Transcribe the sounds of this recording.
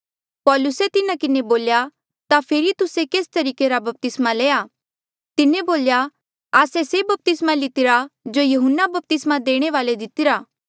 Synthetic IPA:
pɔːlʊset̪ɪnakɪneboːlja | t̪apʰeːɾit̪ʊsekeːst̪ɐɾiːkeɾabɐp̚t̪ɪsmaleːaː | t̪ɪneboːlja | aːsesebɐp̚t̪ɪsmalɪt̪ɪɾad͡ʒojɐɦʊnːabɐp̚t̪ɪsmad̪eːɽ̃eʋaːled̪ɪt̪ɪɾaː

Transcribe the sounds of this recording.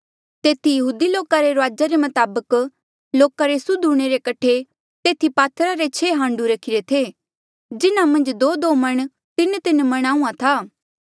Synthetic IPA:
t̪eːt̪ijɐɦuːd̪iloːkaɾeɾaːd͡ʒaɾemɐt̪aːbək | loːkaɾesʊd̪ʱuɽ̃eɾekɐʈʰe | t̪eːt̪ʰipaːt̪ʰɾaɾet͡ʃʰeːɦãːɳɖuɾɐkʰɪɾet̪ʰeː | d͡ʒɪnamɐ̃nd͡ʒd̪oːd̪oːmɐɽ̃ | t̪ɪnt̪ɪnmɐɽ̃aːũãt̪ʰaː

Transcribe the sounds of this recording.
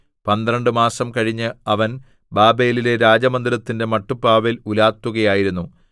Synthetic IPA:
pɐnd̪ɾɐɳɖɨmaːsɐmkɐɻiɲːɨɐʋɐn | baːbejlile̞ɾaːd͡ʑɐmɐnd̪iɾɐt̪ːinde̞mɐʈːupːaːʋelulaːt̪ːuɣɐjaːjiɾunːu

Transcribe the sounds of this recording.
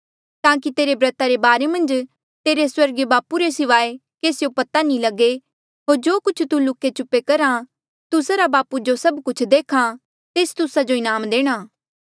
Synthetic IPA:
t̪ãːk̬it̪eːɾebɾɐt̪aɾebaːɾemɐ̃nd͡ʒ | t̪eːɾeswɐɾɡebaːpuɾesɪʋaːekeːsjopɐt̪anĩlɐɡe | ɦoːɾd͡ʒoːkʊt͡ʃʰt̪ulʊkːet͡ʃʊpːekɐɾa | t̪ʊsaɾabaːpud͡ʒosɐbkʊt͡ʃʰd̪eːkʰa | t̪eːst̪ʊsad͡ʒoɪnaːmd̪eːɽ̃aː

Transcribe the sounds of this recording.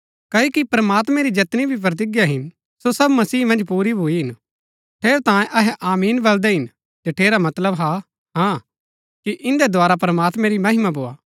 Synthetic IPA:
kɐoːkipɾɐmaːt̪mɛ̃ɾid͡ʒɐt̪nibʱip̬ɾɐt̪̬ɪɡjaɦɪn | sosɐbmɐsiːmɐ̃nd͡ʒpuːɾibʱuiɦɪn | ʈʰeːɾt̪ãːjẽʔɐɦɛʔaːmiːnbɐld̪ɛɦɪn | d͡ʒɐʈʰeːɾamɐt̪ləbɦa | ɦã | kiʔɪ̃nd̪ɛd̪ʱwaːɾap̬ɾɐmaːt̪mɛ̃ɾimɐɦɪmabʱoːaː

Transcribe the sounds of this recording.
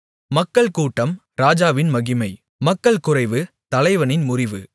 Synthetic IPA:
mɐkːɐɭkuːʈːɐm | ɾaːd͡ʒaːʋɪnmɐɣɪmɐɪ | mɐkːɐɭkʊrɐɪʋɯ | t̪ɐlɐɪʋɐnɪnmʊrɪʋɯ

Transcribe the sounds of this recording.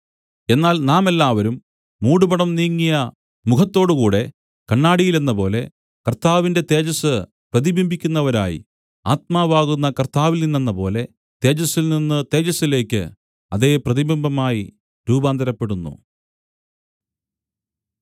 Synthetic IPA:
e̞nːaːlnaːme̞lːaːʋɐɾumː | uːɽubɐɽɐmniːŋːijɐ | mukʰɐt̪ːo̞ːɽɨkuːɽe̞ | kɐɳːaːɽijilenːɐpo̞ːle̞ | kɐrt̪aːʋinde̞t̪e̞ːd͡ʑɐsɨ | prɐðibimbʱikʲːunːɐʋɐɾa̰ːjḭ | a̰ːt̪̚maːʋaːɣunːɐkɐrt̪aːʋilninːenːɐpo̞̰ːle̞ | t̪e̞ːd͡ʑɐsilninːɨt̪e̞ːd͡ʑɐsile̞ːkʲːɨ̰ | ɐðe̞ːprɐðibimbʱɐmaːji | ɾuːbaːnd̪ɐɾɐpːe̞ɽunːṵ

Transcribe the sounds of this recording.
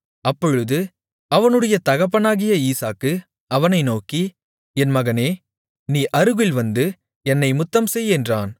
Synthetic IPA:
ɐpːɔɻɯðɯ | ɐʋɐnɯɽɐjɐt̪ɐɣɐp̬ːɐnaːɣɪjɐiːsaːkːɯ | ɐʋɐnɐɪnoːki | ɛnmɐɣɐneː | niːʔɐɾɯɣɪlʋɐnd̪ɯ | ɛnːɐɪmʊt̪ːɐmsɛjɛndraːn

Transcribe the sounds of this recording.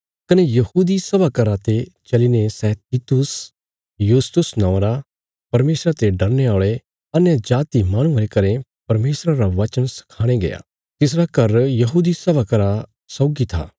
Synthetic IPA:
kɐnejɐhuːd̪isɐbʱakɐɾat̪et͡ʃɐlinesɛːt̪iːt̪ʊs | juːst̪ʊsnɔ̃ːɾa | pɐɾmeːsɾat̪eɖɐɾneaːɭe | ɐnjad͡ʒaːt̪imaːɽ̃ũɐɾekɐɾẽpɐɾmeːsɾaɾaʋɐt͡ʃənsɐ̥kʰaːɽ̃eɡɐ̰ja̰ː | t̪ɪs̬ɾakɐɾjɐɦuːd̪isɐbʱakɐɾa | sɔːɡit̪ʰa̰ː

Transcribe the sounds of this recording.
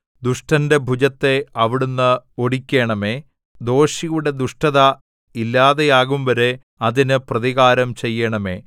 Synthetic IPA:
d̪uʂʈɐnde̞bʱud͡ʑɐt̪ːe̞ɐʋiɽunːɨo̞ɽikʲːe̞ːɳɐme̞ | d̪o̞ːɕijuɽe̞d̪uʂʈɐðɐ | ilːaːðejaːɣumʋɐɾe | ɐðinɨprɐðiɣaːɾɐmt͡ɕejːɐɳɐme̞̰ː

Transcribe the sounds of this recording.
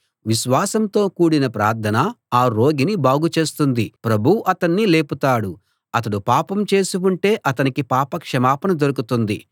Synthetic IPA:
ʋiʃʋaːsɐmt̪o̞ːkuːɽinɐpɾa̰ːɾt̪ʰɐnɐaːɾo̞ːɡinibaːɡut͡ʃe̞ːst̪und̪ipɾɐbʱuʔɐt̪ɐɳːile̞ːput̪aːɽu | ɐt̪ɐɽupaːpɐmt͡ʃe̞ːsiuɳʈe̞ːʔɐt̪ɐnikipaːpɐkʂɐmaːpɐnɐd̪oɾukut̪und̪ḭ

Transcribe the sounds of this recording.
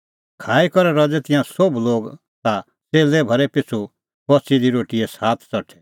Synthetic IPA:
kʰaːikɔɾɛɾɐd͡zɛt̪ɪ̃jãsobloːɡ | t̪a | t͡seːlɛbʱɐɾɛpɪt͡sʰu | bɔt͡sid̪iɾoːʈiɛsaːt̪ʰt͡sɔʈʰɛ

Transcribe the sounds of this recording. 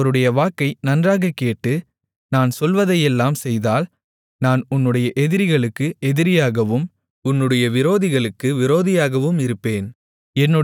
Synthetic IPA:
ɐɾɯɽɐjɐʋaːkːɐɪnɐndraːɣɐkːeːʈːɯ | naːnsɔlʋɐðɐjɛlːaːmsɛjðaːl | naːnʊnːɯɽɐjɐʔɛðɪɾɪɣɐɭɯkːɯʔɛðɪɾɪjaːɣɐʋɯm | ʊnːɯɽɐjɐʋɪɾoːðɪɣɐɭɯkːɯʋɪɾoːðɪjaːɣɐʋɯmɪɾɯpːeːn | ɛnːɯ

